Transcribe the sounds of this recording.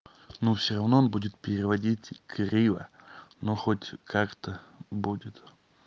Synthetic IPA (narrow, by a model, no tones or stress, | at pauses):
nufsʲɪɾɐvnoonbudʲɪt̪̚pʲɪɾʲɪvɐdʲitʲkɾʲivə̰noxotʲkʰakt̪əbudʲɪt̪